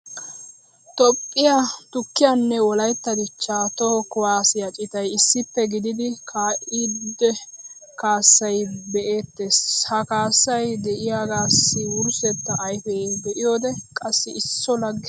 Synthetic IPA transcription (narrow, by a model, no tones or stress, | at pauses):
t̪ɔpʼːɪjat̪ʊkːɪjanːɛwɔlɐjt̪ːɐd̪ɪt͡ʃːaːt̪ɔkʊwaːsɪjɐt͡ʃʼɪt̪ɐjɪsːɪpːɛɡɪd̪ɪd̪ɪkʰaːʔɪd̪ɛ | kaːsːɐjbɛʔe̞ːt̪ːeshɐkaːsːɐjd̪ɛʔɪjaɡaːsːɪwʊɾsɛt̪ːɐʔːjfeːd̪ɛʔɪjoːd̪ɛkʼɐsːɪɪsːɔlɐɡː